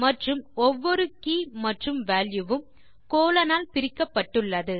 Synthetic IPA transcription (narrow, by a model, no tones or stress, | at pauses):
mɐʈrɯmɔʋːɔɾɯkiːmɐʈrɯmʋaːljɯʋɯm | koːlɐnaːlpɪɾɪkːɐpːɐʈːɯɭːɐðɯ